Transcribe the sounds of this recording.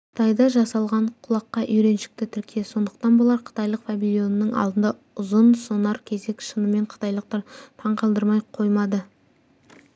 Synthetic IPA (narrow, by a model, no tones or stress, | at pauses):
qʰə̥t̪ʰɑjd̪ɑʒɑsɑlˠʁɑɴqʰʊlˠɑqːɑʔʏjɾe̞nʃɪ̥k̚t̪ɪt̪ʰʏɾkʲʰieso̞nd̪əq̚t̪ɑnbolˠɑɾqʰə̥t̪ɑjlˠəqfabilʲjo̞nəːəŋɑ̰lˠd̪ənd̪ɑ | ʊzənsonɑɾkʲʰe̞ze̞kʲʃənəme̞ɴqʰə̥t̪ɑjlˠəq̚t̪ɑɾt̪ʰɑɴqʰɑlˠd̪əɾmɑjqʰo̞jmɑd̪ə